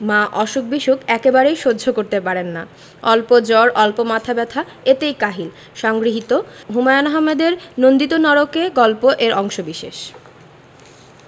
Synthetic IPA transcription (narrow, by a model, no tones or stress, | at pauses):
maʔɔʃok̚biʃukɛkebaɾejʃodːd͡ʑʱokoɾt̪epaɾenːa | ɔlpod͡ʑɔɾʔɔlpomat̪ʰabɛt̪ʰa | et̪ejkaɦil | ʃɔŋɡɾiɦit̪oɦumajonɔɦamːed̪eɾnond̪it̪onɔɾokeɡɔlpoʔeɾʔɔŋʃobiʃḛʃ